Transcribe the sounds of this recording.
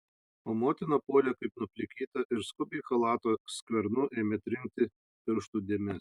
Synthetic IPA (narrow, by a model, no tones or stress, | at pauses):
oːmoːt̪ʲɪnoːpoːlʲɛkɐɪpnʊpʲlʲɪkʲiːt̪ɐʔɪɾskʊbʲɛɪxɐlˠɑːt̪osʲkʋʲɛɾnʊʔeːmʲet̪ʲɾʲɪŋʲk̚t̪ʲɪ | pʲɪɾʃt̪uːd̪ʲeːmʲɛs